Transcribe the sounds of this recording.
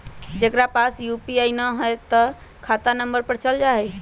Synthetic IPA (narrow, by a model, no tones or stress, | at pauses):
d͡ʒekɾapasjupiajnəɦɔjt̪ɔ | kʰat̪anəmbəɾpəɾt͡ʃəld͡ʒaɦɛj